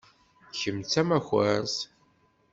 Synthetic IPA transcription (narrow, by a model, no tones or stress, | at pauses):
çəmt͡sːæmæxæ̰ɾs